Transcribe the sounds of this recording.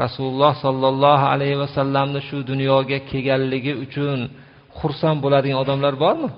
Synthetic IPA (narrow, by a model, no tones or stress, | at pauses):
ɾasulˠʊlˠːɒhsɒlˠːɑlˠːɒɦa̰lajhɪvasalːamnɪʃʊd̪ʊnjɒɡʲakʲʰe̞ɡʲanlɪɡʲɪʊt͡ʃʰʊn | χʊɾsanbolad̪ɪɡanɒd̪amlaɾbɒɾmɪ